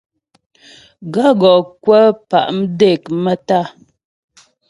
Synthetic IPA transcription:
ɡa˦ɡɔ˨kwə˦pa̰˨ʔm̩˦de˦˨kmə˦ta˦˨

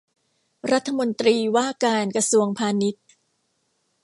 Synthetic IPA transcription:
ɾa˦˥t̪ʰːa˧mo˧nt̪ɾiː˧waː˥˩kaː˧nkɾa˧su˧əŋpʰaː˧ni˦˥t̪̚

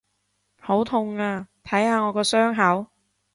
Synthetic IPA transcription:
ho˨˥wt̪ʰʊ˧ŋaː˧t̪ʰɐ˨˥jhaː˨˧ŋɔː˨˧kɔː˧sœː˥ŋɦɐ˨˥w

